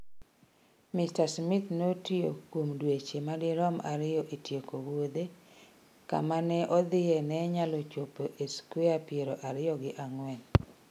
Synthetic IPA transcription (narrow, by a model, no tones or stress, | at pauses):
mɪstasmɪt̪notio̰komdwet͡ʃemadɪɾɔma̰ɾɪjɔʔetjekowod̪e | ka̰manɛʔɔd̪ɪɛnɛɲalɔt͡ʃopoʔeskweapɪeɾɔʔaɾɪjɔɡɪʔaŋwɛn